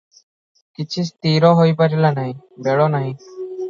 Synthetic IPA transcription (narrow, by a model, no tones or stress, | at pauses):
kɪt͡ʃʰist̪iːɾɔɦoipəɾilanaɦĩ | beɭɔnaɦĩ